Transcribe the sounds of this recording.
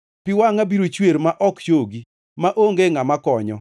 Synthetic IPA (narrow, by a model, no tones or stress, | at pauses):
pɪwaŋabiɾot͡ʃweɾmaʔɔkt͡ʃoɡi | maʔoŋɡeŋamakɔɲɔ